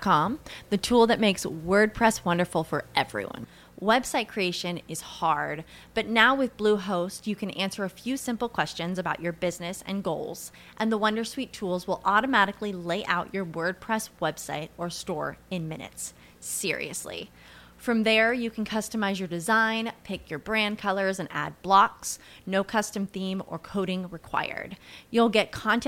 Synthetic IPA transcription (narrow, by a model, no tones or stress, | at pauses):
kʰɑ̃mðɨtʰulˠðɨt̚meɪkswɜ˞d̚pʰɹ̥ɛswʌ̃ndə˞fl̩ˠfə˞ʔɛvɹḭwʌ̰̃n | wɛb̥saɪt̚kʰɹ̥ieɪʃɨ̃nɨz̥hɑɹd̚b̥ʌtⁿnaʊwɨðbluɦoʊstjɨkʰɨ̃næ̃nsə˞ɨfjʉsɪ̃mpl̩ˠkʰw̥ɛst͡ʃɨ̃nzɨbaʊt͡ʃə˞bɪznɨsɨ̰̃nɡoʊlˠz̥ | ʔɨ̃nðəwʌ̃ndə˞switʰulˠzwəlˠɔɾɨmæɾɨklileɪʔaʊt͡ʃə˞wɜ˞d̚pʰɹ̥ɛswɛb̥sa̰ɪɾə˞stɔɹɨ̃nmɪ̰̃nɨ̰tsː | ɪ̰ɹḭɨ̰slḭ | fɹʌ̃mðə˞jɨkʰn̩kʰʌstəmaɪzjə˞dɨzãɪ̃npʰɪkʰjə˞bɹæ̃n̚kʰʌlˠə˞zɨ̃næ̰d̚blɑksnoʊkʰʌstɨ̃mθĩmə̰˞kʰoʊɾɪ̃ŋɹɨkʰw̥a̰ɪə̰˞djul̩ˠɡɛt̚kʰɑ̃nt